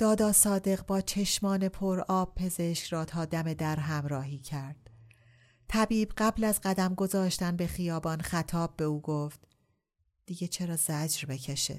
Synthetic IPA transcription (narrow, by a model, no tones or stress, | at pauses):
d̪̥ɒːd̪ɒːsɒːd̪e̞ɣbɒːt͡ʃʰe̞ʃmɒːne̞pʰoɾɒːb̥̚pʰe̞ze̞ʃcɾɒːt̪ʰɒːd̪æme̞d̪æɾɦæmɾɒːɦiːcʰæɾd̪̥ | t̪ʰæbiːbɢæblæzɢæd̪æmɡo̞zɒːʃt̪ænbe̞xijɒːbɒːnxæt̪ʰɒːb̚ːe̞uːɡoft̪ | d̪̥iɟe̞t͡ʃʰe̞ɾɒːzæd͡ʒɾbe̞cʰeʃḛ̥